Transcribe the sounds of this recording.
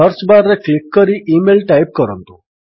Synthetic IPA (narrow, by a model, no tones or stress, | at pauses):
əɾsbaɾːeklikːəɾiːʔimelʈajp̚kəɾənt̪u